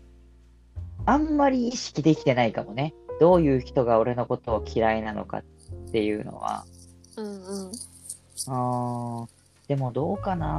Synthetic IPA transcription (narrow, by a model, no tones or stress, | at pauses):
ãmːaɾʲiːɕi̥kʲid̪e̞kʲi̥t̪e̞naikamo̞ne̞d̪̥o̞ːjɯ̟ːçi̥t̪o̞ɡao̞ɾe̞no̞ko̞t̪o̞ːkʲʰiɾainano̞̰ka̰ | t̪ːe̞jɯ̟ːno̞̰βa̰ | ɯ̃ɴɯ̃ɴ | ɯ̃ː | d̪̥e̞mo̞d̪o̞ːkana